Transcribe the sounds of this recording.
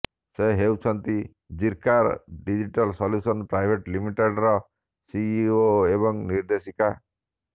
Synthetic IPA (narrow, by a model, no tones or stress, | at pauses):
seɦewt͡ʃʰɔnt̪i | d͡ʒiɾkaɾɖid͡ʒiʈɔlsɔljusɔnpɾajbʱeʈlimiʈeɖɾɔ | siioebɔŋniɾd̪esika